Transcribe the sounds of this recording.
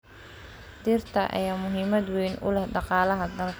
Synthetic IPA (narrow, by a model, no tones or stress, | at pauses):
d̪irt̪ʰɐʔɐ̰jaːmʊɦiːmɐd̪wiːnʊ̰lɛhɖɑqɑːlɐɦɐd̪ɐlkʰ